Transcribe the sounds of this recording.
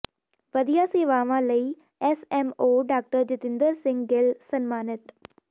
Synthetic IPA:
ʋəd̪ijaːseːʋaːʋãːləiː | ɛsɛːmoːɖaːk̚ʈəɾd͡ʒɪt̪ɪ̃nd̪əɾsɪ̃ŋɡɡɪlsənmaːnɪt̪

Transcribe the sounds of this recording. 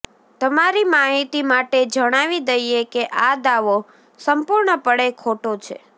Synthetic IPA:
t̪əmaɾimaɦit̪imaʈed͡ʒəɽ̃aʋid̪əjekeʔad̪aʋo | səmpuɾɳəpəɽekʰoʈot͡ʃʰḛ

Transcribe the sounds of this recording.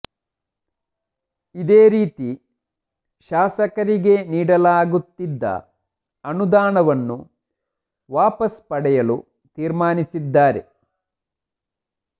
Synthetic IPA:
id̪eːɾiːt̪i | ʃaːsɐkɐɾiɡe̞niːɽɐlaːɡut̪ːid̪ːɐ̰ | ɐnud̪aːɳɐʋɐnːu | ʋaːpɐspɐɽɛjɐlṵ | t̪iːɾmaːnisid̪ːaːɾe̞̰

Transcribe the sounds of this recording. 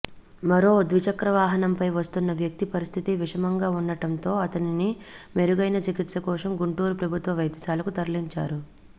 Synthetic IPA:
mɐɾo̞ːd̪ʋit͡ʃɐkɾɐʋaːɦɐnɐmpɐjʋɐst̪unːɐʋjɐk̚t̪ipɐɾist̪ʰit̪iʋiʂɐmɐŋɡaːunːɐʈɐnt̪o̞ːɐt̪ɐninime̞ɾuɡɐjnɐt͡ʃikit̪ʃɐkɔːʂɐmɡuɳʈuːɾupɾɐbʱut̪ʋɐʋɐjd̪ɐsaːlɐkut̪ɐɾliɲt͡ʃa̰ːɾu

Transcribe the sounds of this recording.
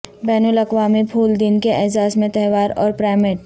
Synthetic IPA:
bɛːnulɐkʋaːmipʰuːld̪ɪnkeʔɛɦzaːsmẽt̪ɛɦʋaːɾɔ̰ːɾpɾaːɪmɪʈ

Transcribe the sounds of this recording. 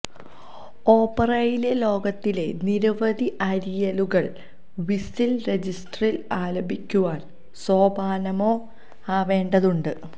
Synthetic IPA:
o̞ːpːɐrɐjile̞lo̞ːɡɐt̪ːile̞niɾɐʋɐd̪ʱiʔɐɾijɐluɣɐɭ | ʋisilre̞d͡ʑisʈɐrilaːlɐbʱikʲːuʋaːn | so̞ːbʱaːnɐmo̞ː | aːʋe̞ːɳɖɐðuɳɖɨ

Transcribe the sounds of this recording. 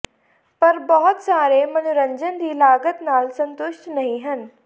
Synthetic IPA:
pɐɾbɐɦʊt̪saːɾemɐnʊɾə̃ɲd͡ʒənd̪ʱiːlaːɡət̪naːlsɐ̃nt̪ʊʃʈnɐɦĩɦɐn

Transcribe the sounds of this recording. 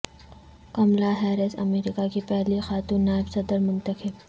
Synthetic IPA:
kɐmlaɦɛːɾɪsɐ̰meːɾɪkakipɛɦlixaːt̪ũːnːaːɪbsɐd̪əɾmʊ̃nt̪əxɪb

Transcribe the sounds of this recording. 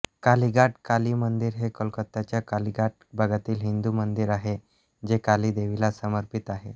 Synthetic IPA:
kaliɡaʈkaliːmənd̪iɾɦekəlkət̪ːat͡ɕjakaliɡaʈ̚bʱəɡʱat̪iːlɦind̪umənd̪iɾaɦe | d͡ʑekaliːd̪eʋilasəməɾpit̪aɦe

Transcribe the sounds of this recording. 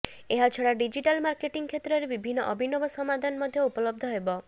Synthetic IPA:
eɦat͡ʃʰɔɽaɖid͡ʒiʈalmaɾkeʈiŋkʰet̪ɾɔɾebibʱinːɔʔɔbʱinɔbɔsɔmad̪ʱanmɔd̪ʱjɔupɔlɔb̚d̪ʱɔɦebɔ

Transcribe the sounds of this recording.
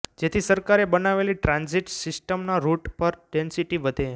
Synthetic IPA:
d͡ʒet̪ʰisəɾkaɾebənaʋeliʈɾãnziʈsɪsʈəmnaɾuʈpəɾɖensiʈiʋəd̪ʱe

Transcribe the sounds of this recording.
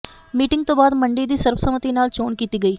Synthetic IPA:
miːʈɪ̃ŋɡ̚t̪õːbaːd̪məɳɖid̪iːsəɾwəsəmət̪inaːlt͡ʃoːnkiːt̪iːɡɐiː

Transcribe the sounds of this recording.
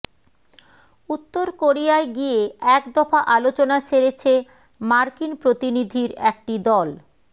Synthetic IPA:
ut̪ːoɾkoɾijaeɡieɛkd̪ɔfaʔalot͡ɕonaʃeɾet͡ɕʰe | maɾkinpɾot̪inid̪ʱiɾɛk̚ʈid̪ɔl

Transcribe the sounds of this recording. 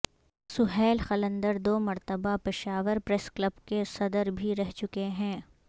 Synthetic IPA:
sʊɦɛːlxɐlə̃nd̪əɾd̪oːmɐɾt̪əbapɪʃaːʋəɾpɾɛskləbkesɐd̪əɾbʱiɾɛɦt͡ʃʊkeɦɛ̃ː

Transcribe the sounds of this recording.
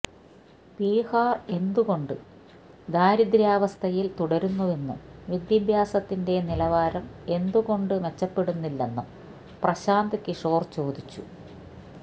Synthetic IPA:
piːhaːre̞nd̪uɣo̞ɳɖɨ | d̪aːɾid̪ɾjaːʋɐst̪ʰɐjilt̪uɽɐɾunːue̞nːumʋid̪jɐbʱjaːsɐt̪ːinde̞nilɐʋaːɾɐme̞nd̪uɣo̞ɳɖɨme̞t͡ɕːɐpːe̞ɽunːilːe̞nːum | prɐɕaːnd̪ɐkːiʂo̞ːrt͡ɕo̞ːd̪it͡ɕːu

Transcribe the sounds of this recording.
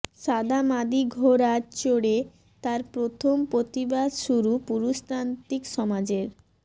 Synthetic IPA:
ʃad̪ʱamad̪iɡʱoɾat͡ɕoɽe | t̪aɾpɾot̪ʰompɾot̪ibad̪ʃuɾupuɾust̪ɾant̪ikʃɔmad͡ʑeɾ

